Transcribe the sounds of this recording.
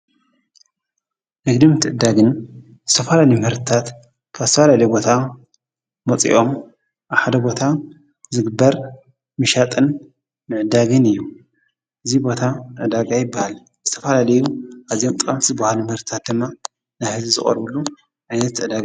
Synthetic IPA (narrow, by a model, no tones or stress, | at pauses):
nɨɡd̪ɨmt̪ʰɨʕɨd̪aɡɨn | zɨt̪ʰɐfɐlalijmɨhɨɾt̪ʰɨt̪ʰat̪ | kʰazɨt̪ɐfalalɐjubo̞t̪ʰa | mɐt͡sʼḭʔo̞m | ʔaβħad̪ɐbo̞t̪ʰa | zɨɡɨbːɐɾ | mɨʃat̪ʼɨn | mɨʕɨd̪aɡɨnɨjːu | ʔɨzibo̞t̪ʰaʔɨd̪aɡajɪbːahal | zɨt̪ʰɐfɐlalɐjuʔazijo̞mt̪ʼɨkʼɐmt̪ʰizɨbahalumhɨɾt̪ʰɨ̥t̪ʰat̪̚d̪ɨmːa | najhɨzizɨ̰χʼɐ̰ɾbɨlːu | ʕajnɐt̪ʕɨd̪aɡa